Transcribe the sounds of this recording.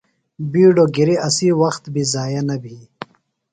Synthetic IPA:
biːɖoːɡiɾiɐsiːwɐxt̪bizaːjɐnɐbʱiː

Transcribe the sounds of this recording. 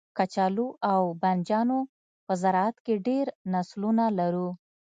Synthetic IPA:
kat͡ʃɑluʔawband͡ʒɑno | pəzaɾɑat̪keɖeɾnaslunalaɾu

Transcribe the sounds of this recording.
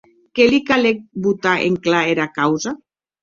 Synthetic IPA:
kelikalek̚but̪aʔḛŋklaeɾakawza

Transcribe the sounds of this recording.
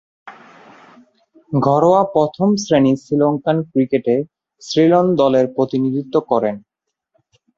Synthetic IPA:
ɡʱɔɾoapɾɔt̪ʰomsɾenisiloŋkankɾikeʈe | sɾilond̪ɔleɾpɾot̪inid̪ʱit̪ːokɔɾen

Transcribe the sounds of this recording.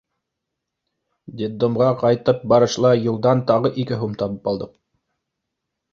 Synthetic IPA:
d̪ʲed̪ːomʁɑqɑjt̪ɤp̚bɑɾɤ̆ʃlˠɑjɤ̆lˠd̪ɑnt̪ɑʁɤʔikɘɦumt̪ɑβɤpɑlˠd̪ɤq̚

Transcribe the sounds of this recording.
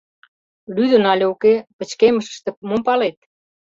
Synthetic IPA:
lyðənɑlʲəokepət͡ɕkeməʃə̥ʃt̪əpmompɑlet̪̚

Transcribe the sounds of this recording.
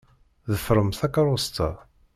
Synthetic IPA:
ðəfɾˤəmθakaɾˤʊst̪a̰

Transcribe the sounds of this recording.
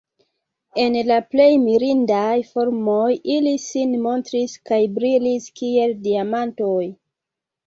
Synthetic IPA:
e̞nlaple̞jmiɾindajfo̞ɾmojilisinmo̞ntɾiskajbɾiliskie̞ldiamanto̞j

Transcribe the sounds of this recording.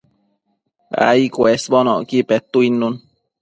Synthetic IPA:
a̰ikwesbɔnɔ̰ʔkipɛt̪uinːun

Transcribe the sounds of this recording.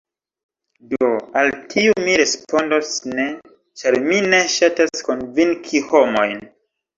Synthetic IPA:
doaltʰiumiɾe̞spo̞ndosne | t͡ʃaɾmine̞ʃatasko̞nviŋkʰihomo̞jn

